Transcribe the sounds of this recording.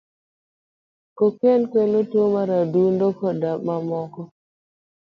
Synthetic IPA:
kokenkwelotwomaɾadundokɔdamamɔkɔ

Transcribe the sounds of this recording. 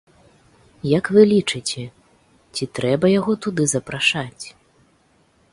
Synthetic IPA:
jɐkvɨlʲit͡ʂɨt͡sʲɛ | t͡sʲit̪ɾɛbɐjaɣɔt̪ud̪ɨzɐpɾaʂat͡sʲ

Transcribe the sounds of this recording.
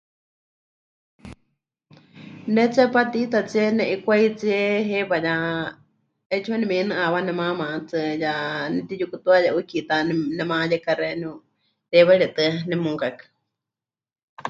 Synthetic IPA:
nɛt͡sapat̪it̪at͡sienɛʔikʷait͡siɛɦɛβaja | ɛt͡ʃʰuanɛmɛnɨ̃ʔaβanɛmãmãt͡sɨjanɛt̪ijukut̪uajaʔukit̪anɛmãjɛkaɾɛn | ɾɛβaɺɛt̪ɨnɛmũŋkakḁ

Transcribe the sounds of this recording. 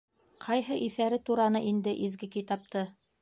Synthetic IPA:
qʰɑjɦɤʔiθæɾɘt̪uɾɑnɤʔind̪ɘʔizɡɘkit̪ɑp̚t̪ɤ

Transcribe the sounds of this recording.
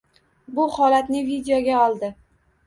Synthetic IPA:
bʊhɒlat̪nɪvid̪ejoɡʲaɒlˠd̪ɪ

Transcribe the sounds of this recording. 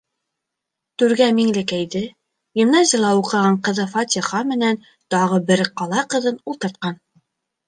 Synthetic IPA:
t̪ʉɾɡæmiŋlɘkæjd̪ɘ | jɘ̆mnɑzʲilˠɑuqɤ̆ʁɑɴqɤ̆ðɤfat̪ʲiχɑmɘ̆næn | t̪ɑʁɤbɘɾqɑlˠɑqɤ̆ðɤnulˠt̪ɤ̆ɾt̪̚qɑn

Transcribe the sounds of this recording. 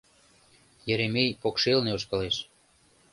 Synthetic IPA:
jeɾemejpokʃelneoʃ̬kɤleʃ

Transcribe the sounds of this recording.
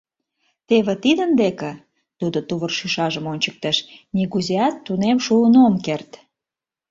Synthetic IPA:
t̪eβĕt̪id̪ə̆nd̪ekĕ | t̪ud̪ot̪uβərʃyʃɑʒəmonʲt͡ɕə̥k̚t̪ə̆ʃniɣuzeɑt̪ːunemʃuːnomkert̪

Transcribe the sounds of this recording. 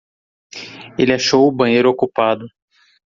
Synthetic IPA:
elɪaʃowʊbɐ̃ɲ̃ejɾʊokupad̪ʊ

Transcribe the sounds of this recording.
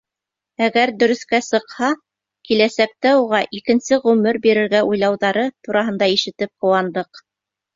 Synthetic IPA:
æɡæɾd̪ɵ̆ɾɵ̆θkæsɤ̆qhɑ | kilæsæk̚t̪æuʁɑʔikɘ̆nsɘʁʉmɘɾbiɾɘ̆ɾɡæʔujlˠɑwðɑɾɤt̪uɾɑɦɤ̆nd̪ɑiʃɘ̆t̪ɘp̚qŏwɑnd̪ɤq

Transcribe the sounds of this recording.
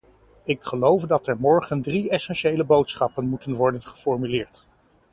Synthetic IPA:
ɪkχəlowfdɑtɛɹmɔɹχəndriɛsɛnʃejləbowtsχɑpənmutənʋɔɹdənχə̥fɔɹmylɪːɹt

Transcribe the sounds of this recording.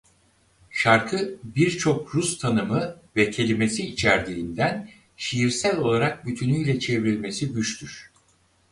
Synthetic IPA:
ʃaɾkʰɯbiɾt͡ʃʰo̞kɾust̪ʰanɯmɯvɛcʰe̞lʲime̞siːt͡ʃʰæɾd̪iːnd̪æn | ʃijiɾsælʲo̞lˠaɾak̚byt̪ʰynyjlʲɛt͡ʃʰe̞vɾilʲme̞sibyt͡ʃt̪ʰyɾ̥

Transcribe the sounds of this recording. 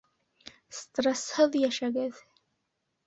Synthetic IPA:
stʼrasħɨljaʂaɡaz

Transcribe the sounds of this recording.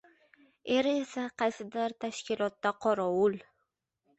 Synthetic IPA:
eɾɪesaqʰɑjsɪd̪aɾt̪ʰaʃkʲɪlˠɒt̪ːaqʰɒɾɒwʊl

